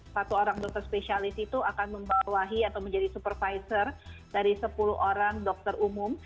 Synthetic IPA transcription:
pat̪uoɾaŋdɔk̚t̪ərspesialɪsit̪uakanməmbawaɦiat̪awməɲd͡ʒadisupərfaisərdaɾisəpuluɦʔoɾaŋdɔk̚t̪ərumʊm

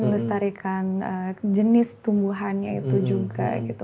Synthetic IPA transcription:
məŋəst̪aɾikʰanəd͡ʒənɪst̪umbuɦanɲait̪ud͡ʒuɡa̰ɡit̪u

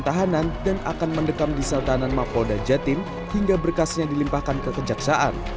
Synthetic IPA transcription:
t̪aɦanandana̰kanməndəkamdisalt̪aɦananmapodad͡ʒat̪ɪm | hiŋɡabərkasɲadilimpahkankəkəd͡ʒaksaʔa̰n

